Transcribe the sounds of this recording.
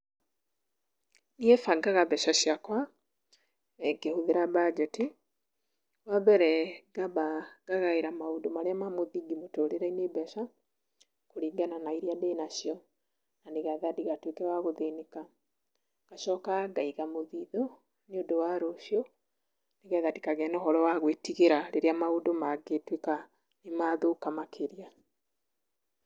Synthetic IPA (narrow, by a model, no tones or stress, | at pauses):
niɛfaɡaɣabɛʃaɕjakwa | ɛɡehoðeɾabad͡ʒɛti | wabɛɾɛɡabaɡaɣaiɾamaodomaɾeamamoðiɡimotoɾeɾɛinebɛsa | koɾiːɡananaiɾiadeːnaɕjɔ | naneɣaðadiɣatwekɛɣaɣoðeneka | ɣaʃɔkaɡaiɣamoðiðo | neodowaɾoʃjɔ | neɣɛðadikaɣɛnɔhɔɾɔwaɣwetiɣeɾaɾeɾeamaodomaɡetweka | nemaðokamakʰeɾia